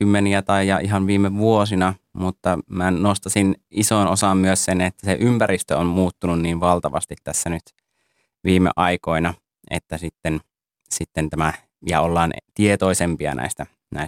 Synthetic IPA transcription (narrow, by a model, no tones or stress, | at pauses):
kymːeniæt̪ɑijjɑʔiɦɑnʋiːmeʋuosinɑmut̪ːɑmænost̪ɑsinisonosɑmmyøssenet̪ːæseʔympæɾist̪øommuːt̪ːununniːnʋɑlt̪ɑʋɑ̰st̪it̪tæsːænyt̪ | ʋiːmḛʔɑikoinɑ | ʔḛt̪ːæsit̪ːen | sit̪ːent̪æmæ | jɑ̰olːɑːnt̪iet̪oisempiɑ̰nʔæ̰ˑist̪æ | næ̰i